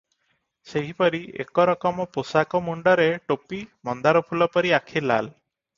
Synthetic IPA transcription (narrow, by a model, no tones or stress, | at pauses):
seɦipɔɾiḛkɔɾɔkɔmɔposakɔmuɳɖɔɾeʈopimɔnd̪aɾɔpʰulɔpɔɾiakʰila̰l